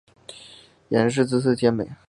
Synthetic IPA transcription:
jɛ˧˥nʂ̬ɻ̩˥˧t͡s̩˥˧s̬̩ʰ˥˩t͡ɕʰjɛ˥nmḛ˨˩ɪ

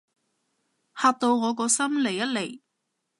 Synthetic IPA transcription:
haː˨˧t̚t̪o˧wŋɔː˨˧k̬ɔː˧sɐ˥mle˨˩jːɐ˥t̚le˨˩j

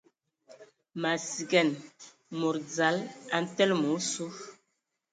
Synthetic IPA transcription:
ma˨si˨ɡɛ˦˨n | mo˨ɾd͡za˨˦la˨n̩˦tɛ˦lmu˨˦su˦

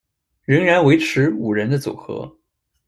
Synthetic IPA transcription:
ɻə˧˥ŋɻa˧˥nwe˧˥ɪʈ͡ʂʰɻ̩˧˥u˨˩ɻə˧˥nd̪ə˧t͡su˨˩xɤ̰˧˥

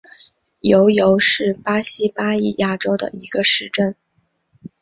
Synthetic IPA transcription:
jo˧˥ʊjo˧˥ʊʂɻ̩˥˩pa˥ɕi˥pa˥i˥˩ja˥˩ʈ͡ʂo˥ʊd̪ə̰˨˩i˧˥ɡ̥ə˧ʂɻ̩˥˧ʈ͡ʂə˥˩n

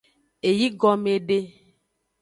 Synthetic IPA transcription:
e˨ji˦ɡɔ˨me˨ɖe˦

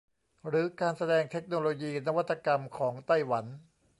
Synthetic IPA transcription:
ɾɯː˩˦˥kaː˧nsa˧dɛː˧ŋt̪ʰe˦˥k̚noː˧loː˧jiː˧na˦˥˧wa˥t̪ʰːa˧ka˧mkʰɔː˩˦ŋt̪a˥˩jwa˩˦n

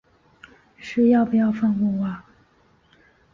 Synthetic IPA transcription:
ʂɻ̩˥˧jɑ˥˩pu˧˩jɑ˥˧ʊfɑ˥˧ŋwu˥˩ŋwa˥˩

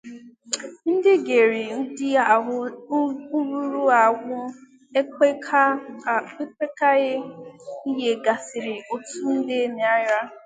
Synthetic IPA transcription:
n̩˦dɪ˦ɡe˨ɾɪ˨n̩˦dɪ˦a˨ɦʊ˦ | u˦ɾu˦ɾu˦a˨ɡʷʊ˦ | e˦ | e˦kʷe˦ka˦ɣɪ˦i˦je˨ɡa˨sɪ˨ɾɪ˨o˨tu˦n̩˦dɪ˦ne˨a˦ja˦

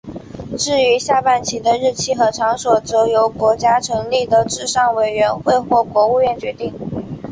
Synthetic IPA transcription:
ʈ͡ʂɻ̩˥˩y˧˥ɕja˥˧pa˥˩nt͡ɕʰi˧˥d̪ə˧ɻɻ̩˥˩t͡ɕʰi˥xɤ˧˥ʈ͡ʂʰɑ˧˥ŋswɔ˨˩t͡so˧˥jo˧˥ʊkwɔ˧˥t͡ɕja˥ʈ͡ʂʰɤ˧˥ŋli˥˩d̪ə˩ʈ͡ʂɻ̩˥˧ʂɑ˥˩ŋwe˨˩ɪɥɛ˧˥nxwe˥˧ɪxwɔ˥˩kwɔ˧˥u˥˧ɥɛ˥˩nt͡ɕɥɛ˧˥t̪i˥˩ŋ

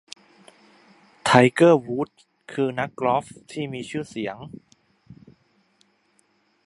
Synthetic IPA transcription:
t̪ʰa˧jkɤː˥˩wuː˦˥t̪̚ | kʰɯː˧na˦˥kːlɔ˦˥ft̪ʰiː˥˩miː˧t͡ɕʰɯː˥˩si˩˦əŋ

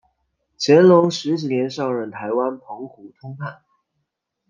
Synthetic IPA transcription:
t͡ɕʰjɛ˧˥nlʊ˧˥ŋʂɻ̩˧˥t͡ɕi˨˥njɛ˧˥nʂɑ˥˧ʊɻə˥˩nt̪ʰa˧˥ɪwa˥npʰʊ˧˥ŋxu˨˧˥t̪ʰʊ˥ŋpʰa˥˩n

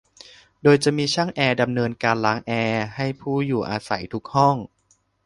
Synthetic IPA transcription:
doː˧jt͡ɕa˨˩miː˧t͡ɕʰa˥˩ŋʔɛː˧da˧mnɤː˧nkaː˧nlaː˩˦ŋʔɛː˧ha˥˩jpʰuː˥˩juː˨˩ʔaː˧sa̰˩˦jt̪ʰu˦˥k̚hɔ˥˩ŋ

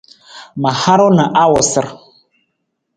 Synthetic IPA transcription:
ma˨ha˦ɾʊ˦nə˨ʔa˦wʊ˨sɪ˦ɾ

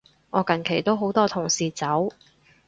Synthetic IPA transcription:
ŋɔː˨˧kɐ˨˩nkʰe˨˩jt̪o˥wɦo˨˥wt̪ɔː˥t̪ʰʊ˨˩ŋsiː˨t͡sɐ˨˥w

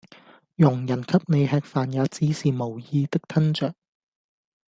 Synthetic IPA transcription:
jʊ˨˩ŋjɐ˨˩nkʰɐ˥p̚ne˨˧jɦɛː˧k̚faː˨njaː˨˧t͡siː˨˥siː˨mo˨˩wjiː˧t̪ɪ˥k̚t̪ʰɐ˥nt͡ʃœː˨˩k̚

